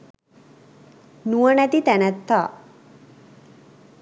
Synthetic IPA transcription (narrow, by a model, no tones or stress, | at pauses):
nuənæt̪it̪ænæt̪ːaː